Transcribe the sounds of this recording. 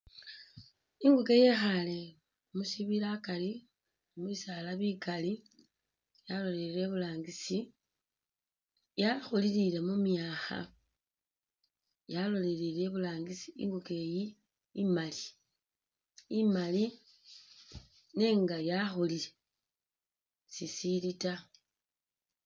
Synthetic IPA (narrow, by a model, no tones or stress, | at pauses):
iŋɡuke̞jexale̞ | musiβilakali | muisalaβikali | jalo̞leɾile̞βulaːŋɡisi | jaxolilile̞mumjaːxa̰ | jalo̞lelile̞βulaːŋɡisi̥ḭŋɡuke̞ji | imali | imali | neːŋɡajaxolile̞ | sisilita